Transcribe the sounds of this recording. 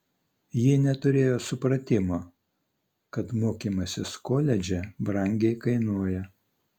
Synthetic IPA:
jɪnʲɛt̪ʊɾʲeːjoːsʊpɾɐt̪ʲɪmoː | kɐt̪moːkʲiːmɐsʲɪskoːlʲɛd͡ʒʲɛbɾɐŋʲɡʲɛɪkɐɪnuɔjɛ

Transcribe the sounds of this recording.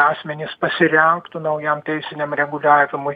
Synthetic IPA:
ɑːsʲmʲɛnʲɪspɐsʲɪɾʲɛŋkt̪ʊnɐʊjɛmt̪ʲɛɪsʲɪnʲɛmɾʲɛɡʊlʲæːʋʲɪmʊɪ

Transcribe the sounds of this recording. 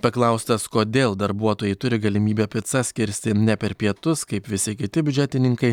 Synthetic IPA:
pɐklˠɐʊst̪ɐskoːd̪ʲeːlˠd̪ɐɾbuɔt̪oːjɛɪt̪ʊɾʲɪɡɐlʲɪmʲiːbʲɛpʲɪt̪sɐsʲkʲɪɾʲsʲt̪ʲɪnʲɛpʲɛɾpʲiɛt̪ʊskɐɪpʋʲɪsʲɪkʲɪt̪ʲɪbʲʏd͡ʒʲæːt̪ʲɪnʲɪŋkɐɪ

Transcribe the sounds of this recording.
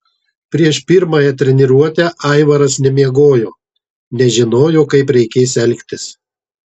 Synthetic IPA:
pʲɾʲiɛʃpʲɪɾmɐːjɛt̪ʲɾʲɛnʲɪɾuɔt̪ʲæːʔɐɪʋɐɾɐsnʲɛmʲiɛɡoːjoː | nʲɛʒʲɪnoːjoːkɐɪpɾʲɛɪkʲeːsɛlʲkʲt̪ʲɪs

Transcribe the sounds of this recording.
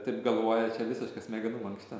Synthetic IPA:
t̪ɐɪpɡɐlˠʋoːjɛt͡ʃʲɛʋʲɪsʲɪʃkɐsmʲɛɡʲɪnuːɐŋksʲt̪ʲɛ

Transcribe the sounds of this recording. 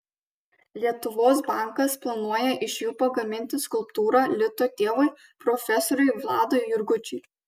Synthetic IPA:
lʲiɛt̪ʊʋoːs̬bɑˑŋkɐsplˠɐnuɔjɛʔɪʃjuːpɐɡɐmʲɪnʲt̪ʲɪskʊlˠpt̪uːɾɑlʲɪt̪oːt̪ʲeːʋɔɪ | pɾɔfʲɛsɔɾʲʊɪʋlˠɑːd̪ɔɪjʊɾɡʊt͡ʃʲʊɪ

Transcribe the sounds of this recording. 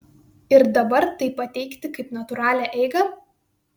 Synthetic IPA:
ɪɾd̪ɐbɐɾt̪ɐɪpːɐt̪ʲɛɪkt̪ʲɪkɐɪpnɐt̪ʊɾɑːlʲæʔɛɪɡɐ

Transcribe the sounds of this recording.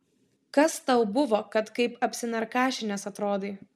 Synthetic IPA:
kɐst̪ɐʊbʊʋoːkɐt̪kɐɪpɐpʲsʲɪnɐɾkɑːʃʲɪnʲɛsɐt̪ɾoːd̪eː

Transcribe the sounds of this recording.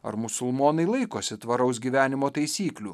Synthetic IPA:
ɐ̰ɾmʊsʊlˠmoːnɐɪlˠɐɪkoːsʲɪt̪ʋɐɾɐʊs̬ɡʲiːʋʲæːnʲɪmoːt̪ɐɪsʲiːklʲuː

